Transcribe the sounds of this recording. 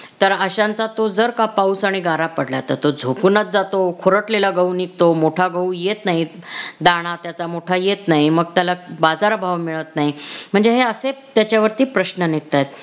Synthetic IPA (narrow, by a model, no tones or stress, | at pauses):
t̪əɾəɕãnt͡sat̪od͡zəɾkapausaɽ̃iɡaɾapəɽlat̪at̪od͡zʱokunət̪̚d͡zat̪okʰoɾəʈlelaɡəunik̚t̪omoʈʰaɡəujet̪naɦid̪aɽ̃at̪jat͡samoʈʰajet̪naɦiməɡ̚t̪jalabad͡zaɾbʱaʋmiɭət̪naɦim̤əɳd͡zeɦeəset̪jat͡ɕjaʋəɾt̪iːpɾəɕnənik̚t̪ajt̪̚